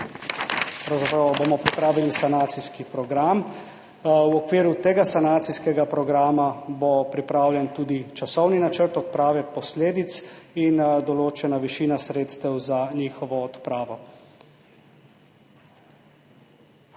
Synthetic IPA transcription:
pɾawzapɾɐwbomɔpɾipɾaːʋilisanaːt̪siskipɾɔɡɾam | wɔkʋiːɾut̪eːɡasanaːt̪siskɛɡapɾɔɡɾaːmabopɾipɾaːwljɛnt̪uːd̪it͡ʃasɔwninat͡ʃəɾt̪ɔt̪̚pɾaːʋɛpɔsleːd̪it̪sind̪ɔloːt͡ʃɛnaʋiʃiːnasɾeːt̪st̪ɛwzaɲiːxɔʋɔːt̪pɾaːʋɔ

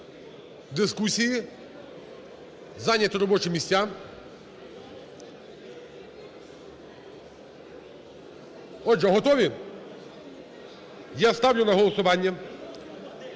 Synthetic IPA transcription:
d̪ɪskusʲiji | zɑnʲːɐt̪ɔɾɔbɔt͡ʃʊmʲisʲtʲːa | ɔd͡ʒɛɦɔt̪ɔʋʲi | jast̪ɑwjʊnɐɦɔlˠɔsʊʋɑnʲːɐ

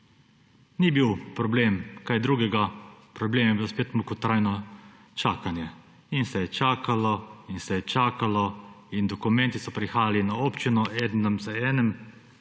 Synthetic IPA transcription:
nibiːwpɾɔbleːmkajd̪ɾuːɡɛɡapɾɔbleːmajɛbiloɔspeːt̪mukut̪ɾaːjnɔ | t͡ʃaːkanjɛ | insɛjɛt͡ʃaːkalɔinsɛjɛt͡ʃaːkalɔ | ind̪ɔkumɛ̃nt̪isɔpɾixaːjalinaoːpt͡ʃinɔʔɛːd̪nəmzəɛːnɛm

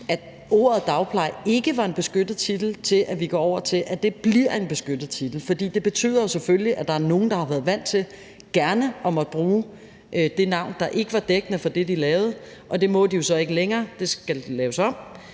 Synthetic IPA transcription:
æ̥ | o̝̰ːɐð̩ˠd̥ɑ̈ʊpʰlɑ̈ɪe̝ɡ̥əʋɑ̈e̝nb̥e̝sɡ̥ød̥ð̩ˠt͡sʰid̥l̩t͡sʰe̝lʔæʋiɡ̥ɒ̰ɒʊ̰ɐt͡sʰe̝lʔæd̥e̝b̥liɐ̰e̝nb̥e̝sɡ̥ød̥ð̩ˠt͡sʰid̥l̩fɒ̽d̥ḭːd̥e̝b̥e̝t͡sʰy̰ːð̰ˠɐjo̝seføljiʔæd̥ɑ̈æɐno̝ːn̩d̥ɑ̈hɑ̈ʋæɐðˠʋæn̰dt͡sʰe̝l | ɡ̥æɐnəʔɒ̽mɒ̽d̥əb̥ʁuː | ʔd̥e̝nɑ̈ʊ̰nd̥ɑ̈ʔe̝ɡ̥əʋɑ̈d̥eɡ̥ənəfɒ̽d̥e̝d̥ilɛːʊð̩ˠ | ʔɒ̽d̥e̝mɔ̽d̥ijo̝sɒ̽e̝ɡ̥əleŋɐːd̥e̝sɡ̥ællɛːʊsɒ̽m̰

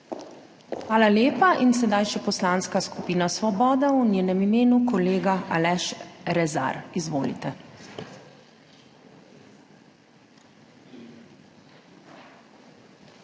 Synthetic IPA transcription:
xʋaːlaljeːpaʔinsɛd̪ajʃɛpɔslaːnskaskupiːnasʋɔbɔːd̪aunʲjeːnɛmimeːnukɔleːɡaʔalɛʃɾɛza̰ɾizʋoːlḭt̪ɛ

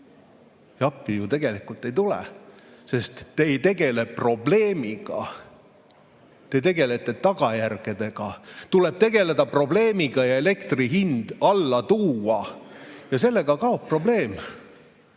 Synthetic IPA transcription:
jɑpːˑijut̪e̞ɡ̥e̞likult̪ːˑe̞jt̪ulḛse̞st̪ːeːjt̪e̞ɡ̥e̞le̞pːro̞ble̞ːmiɡ̥ɑ̰ | t̪e̞t̪e̞ɡe̞le̞t̪ːˑe̞t̪ɑɡ̥ɑjærɡ̥e̞d̪̥e̞ɡ̥ɑt̪ule̞b̥̚t̪e̞ɡe̞le̞d̪ɑpro̞ble̞ːmiɡ̥ɑjɑe̞le̞kt̪riɦind̪̥ɑlːɑt̪uːɑjɑse̞lːe̞ɡ̥ɑkɑo̞ppːro̞ble̞ːm

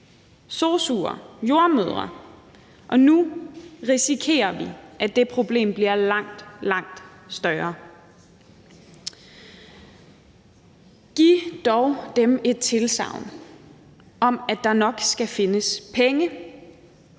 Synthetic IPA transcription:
soːsuːɐ̰jo̝ɐmøð̞ˠʁɐ | ʔɒ̽nuʁisikʰe̝̰ːɐʋiʔæ̥d̥e̝pʰʁo̝b̥le̝̰ːmb̥liɐlɑ̈ŋ̰d̥lɑ̈ŋ̰d̥sd̥ɶɐː | ɡ̥id̥ɒʊd̥eme̝d̥̚t͡sʰe̝lsɑ̰̈ʊ̰n | ʔɒ̽mæd̥ɑ̈nɒ̽ɡ̥sɡ̥æfe̝nəspʰeŋə

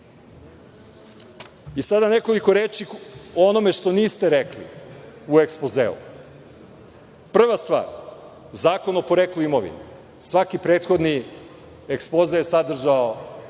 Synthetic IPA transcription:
isad̪ane̞ko̞liko̞ɾeːt͡ʃioono̞me̞ʃt̪o̞niːst̪e̞ɾeklḭuekspozḛlṵ | pr̩ʋast̪ʋa̰ːɾ | zaːko̞nopoɾekluimoʋḭn | sʋakipɾe̞ːt̪xo̞d̪ni | ekspo̞zejesad̪r̩ʒao

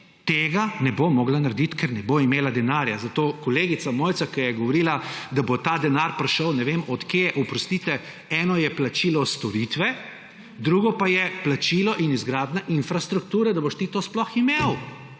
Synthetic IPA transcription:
t̪eːɡanɛbomɔːɡlanaɾd̪it̪kɛɾnɛboimeːlad̪ɛnaːɾjazat̪oːkɔleːɡit̪samoːjt̪sakɛjɛɡɔʋɔɾiːlad̪abot̪aːd̪ɛnaɾpɾɛʃəwnɛʋemɔt̪kjeʔɔpɾɔst̪it̪ɛ | ɛːnɔjɛplat͡ʃiːlɔst̪ɔɾit̪ʋɛ | d̪ɾuːɡɔpajɛplat͡ʃilɔʔinizɡɾaːd̪naʔinfɾast̪ɾuk̚t̪uːɾɛd̪aboʃt̪it̪oːsplɔximew

